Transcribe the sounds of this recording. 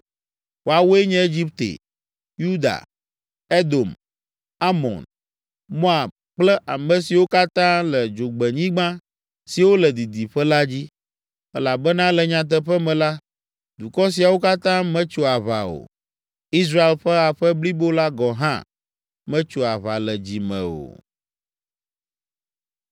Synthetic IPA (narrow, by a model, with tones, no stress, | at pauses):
wo˨a˨wo˦e˦ɲɛ̃˦e˦d͡ʑi˦p̚t̪ḛ˨ | ju˦d̪a̰˨ | e˦d̪o˨m | a˦mɔ̰̃˨n | mɔ̃˦a˨ | k͡plɛ˦ʔa˨mɛ̃˨si˨wo˦ka˦t̪ã˦lɛ˨d͡ʒo˨ɡ͡bɛ˨ɲĩ˦ɡ͡bã˦ | si˨wo˦lɛ˨d̪i˨d̪i˨ɸɛ˦la˦d͡ʑi˦ | ɛ˦la˨bɛ˦nã˦lɛ˨ɲã˨t̪̬ɛ˦ɸɛ˦mɛ̃˨la˦ | d̪u˨kɔ˦s̬i˨a˨wo˦ka˦t̪ã˦mɛ̃˦t͡ʃo˨a˨βa˨o̰˨ | i˦s̬ɾa˦e˨lɸɛ˦a˨ɸɛ˦bli˦bo˦la˦ɡɔ˨ɦã̰˦ | mɛ̃˦t͡ʃo˨a˨βa˨lɛ˨d͡ʑi˨mɛ̰̃˨o̰˨